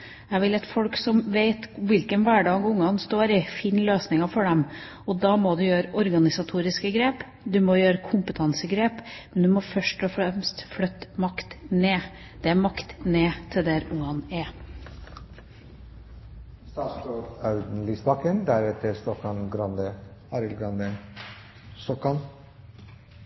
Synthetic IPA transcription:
æʋɪlɛt̪fɔɽksɔmʋeɪt̪ʋɪlkənʋæːɖɑːɡʊŋːɑnst̪oːɾɪfɪːnløːsnɪŋɑfɔɖɛm | ɔd̪ɑːmɔd̪ʉjøːɾəʔɔɾɡɑnɪsɑt̪ʰuːɾɪskəɡɾeːp | d̪ʉmɔjøːɾəkʰʊmpət̪ʰɑnsəɡɾeːpmɛnd̪ʉmɔfœʂʈɔfɾɛmst̪flœt̪ːmɑkt̪neː | d̪̥ɛæɾmɑkt̪neːt̪ʰɪld̪æɾʊŋːɑnæ | st̪ɑst̪ɔfɑʉd̪n̩lisbɑkənd̪æɾɛt̪əɾst̪ɔkɑnɡɾɑnd̪əɑɾɪlɡɾɑnd̪ə | st̪ɔkːɑn

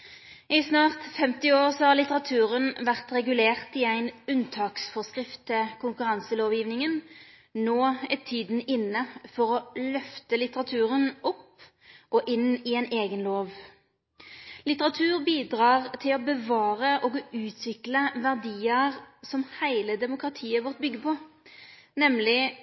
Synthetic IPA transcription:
ɪsnɑːʁt̪fɛmt̪ɪoːʁsɔhɑʁlɪt̪əʁɑt̪ʰʉːʁənʋæʁt̪ʁɛɡʉleːʁt̪ɪæɪnʉnt̪ʰɑːksfɔskʁɪft̪əkʰʊŋkʉʁɑnsəloːʋjiːʋnɪŋən | noːɛt̪ʰiːd̪n̩ɪnːəfɔʁɔlœft̪əlɪt̪əʁɑt̪ʰʉːʁənʔɔp | ʔɔʔɪnɪæɪneːɡənloːʋ | lɪt̪əʁɑt̪ʰʉːʁbiːd̪ʁɑːʁt̪ʰɪlɔbəʋɑːʁəʔɔɡʉːt̪ʰʋɪkləʋæʁd̪iːəʁsɔmhæɪləd̪ɛmʊkʁɑt̪ʰiːəʋɔʁt̪̚bʏɡːəpʰɔ | nɛmlɪ

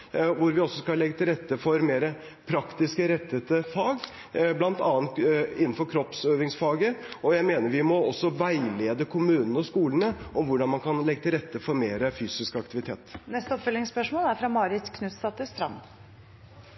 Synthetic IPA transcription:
ʋʊɾʋɪɔsːɔskɑlɛɡːət̪ʰɪlɾɛt̪ːəfɔɾmeːɾə | pʰɾɑkt̪ɪskəɾɛt̪ʰːət̪əfɑːɡ | blɑnt̪ɑːənt̪ɪnːn̩fɔɾkʰɾɔpsøːʋɪŋsfɑːɡəɔjæɪmeːnəɾʋɪmɔɔsːɔʋæɪleːd̪əkʰʊmʉːnənəɔskuːlənəʔɔmʋʊɖɑnmɑnkʰɑnlɛɡːət̪ʰɪlɾɛt̪ːəfɔɾmeːɾəfyːsɪskɑk̚t̪ɪʋɪt̪ʰeːt̪nɛst̪əɔpfœlɪŋspœʂmoːlæɾfɾɑmɑːɾɪt̪skʰnʉst̪ɑːt̪ʉst̪ɾɑ̰n

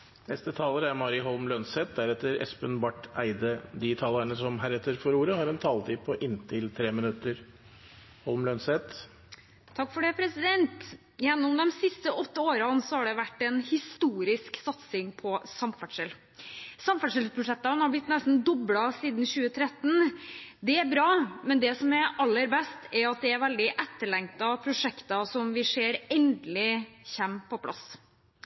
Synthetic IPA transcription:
nɛst̪ət̪ʰɑːləɾæɾmɑːɾɪɦɔlmlœnsɛt̪̚d̪æɾɛt̪ːəɾɛ̰spənbɑʈːæɪd̪əd̪iːt̪ʰɑːləɳəsɔmɦæɾɛt̪ːəɾfɔɾuːɾəhɑɾɛnt̪ʰɑːlt̪ʰiːpʰɔʔɪnːt̪ʰɪlt̪ʰɾeːmɪnʉt̪ːəɾ | hɔlmlœnsɛt̪ | t̪ʰɑkːfɔɖɛpʰɾɛsɪd̪ɛnt̪ | jɛnːʊmd̪ɔmsɪst̪əʔɔt̪ːəoːɾɑnsɔhɑɖɛʋæʈːɛnhɪst̪uːɾɪsksɑt̪sɪŋpʰɔsɑmfæʈʂəl | sɑmfæʈʂəlpʰɾʊʂɛt̪ːɑnhɑɾblɪt̪nɛst̪n̩d̪ɔblɑsiːd̪nɕʉːət̪ʰɾɛt̪ːn̩d̪ɛæɾbɾɑːmɛnd̪ɛsɔmɛɾɑlːəɾbɛst̪ɛɾɑt̪̚d̪ɛːɾʋɛld̪ɪʔɛt̪ːəɭɛŋt̪ɑpʰɾʊʂɛkt̪ɑsɔmʋɪseːɾɛnd̪lɪçɛmpʰɔpʰlɑ̰s

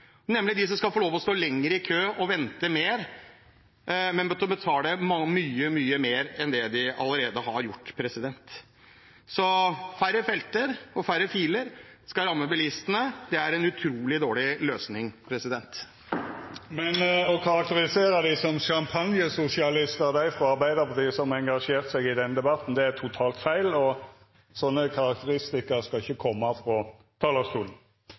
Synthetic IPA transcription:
nɛmːəlɪd̪ɪs̬ɔmskɑfɔɭoːʋɔst̪oːlɛŋːəɾəɪkʰøːɔʋɛnt̪əmeːɾ | mɛnbət̪ʰɔbət̪ʰɑːd̪ɛmɑmyːəmyːəmeːɾɛnd̪ɛd̪ɪɑ̰ləɾeːd̪əhɑɾjʊʈːpʰɾɛsɪd̪ɛnt̪ | sɔfæɾːəfɛlt̪əɾɔfæɾːəfiːləɾ | skɑɾɑmːəbəlɪst̪ənəd̪ɛæɾɛnʉt̪ʰɾuːlɪd̪oːɭɪløːsnɪŋpʰɾɛsɪd̪ɛnt̪ | mɛnɔkʰɑɾɑk̚t̪əɾɪseːɾɑd̪ɪsɔmʃɑmpʰɑnjəsʊsɪɑlɪst̪əʁd̪æɪfɾɔɑɾbæɪd̪əpɔd̪ɪːsɔmɛŋɡɑʂeːʁt̪sɛɡɪd̪ɛnəd̪ɛbɑt̪n̩d̪ɛæt̪ʰʊt̪ʰɑːlt̪fæɪlɔ | sɔnːəkʰɑɾɑk̚t̪əɾɪst̪ɪkəɾskɑɪçːəkʰɔmːɑfɾɔ | t̪ʰɑːləst̪uːln̩

